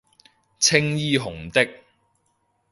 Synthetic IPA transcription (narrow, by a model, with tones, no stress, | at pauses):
t͡sʰɪ˥ŋjiː˥ɦʊ˨˩ŋt̪ɪ˥k̚